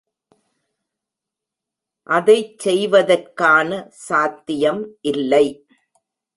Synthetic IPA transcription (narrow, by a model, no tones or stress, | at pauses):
ʔɐðɐɪt͡ʃːɛjʋɐðɐrkaːnɐsaːt̪ːɪjɐmʔɪlːɐɪ